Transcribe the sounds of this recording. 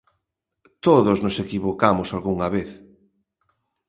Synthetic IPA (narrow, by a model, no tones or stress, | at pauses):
t̪oðoznosekiβokamʊsalɣuŋaβeθ